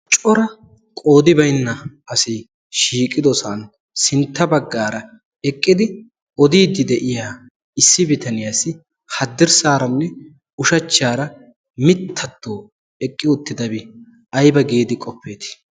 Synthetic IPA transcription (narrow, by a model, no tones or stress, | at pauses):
t͡ʃʼɔɾɐ | kʼo̞ːd̪ɪbɐjnːɐɐsɪ | ʃiːkʼɪd̪ɔsaːn | sɪnt̪ːɐbɐɡːaːɾɐ | ɛkʼːɪd̪ɪ | ɔd̪iːd̪ːɪd̪ɛʔɪjaː | ɪsːɪbɪt̪ɐnɪjaːsɪ | hɐd̪ːɪɾsaːɾɐnːɛ | ʊʃɐt͡ʃːaːɾɐ | mɪt̪ʰːɐt̪ːoː | ɛkʼːɪʊt̪ːɪd̪ɐbɪ | ɐjbɐɡeːd̪ɪkʼɔpːeːt̪ɪ̥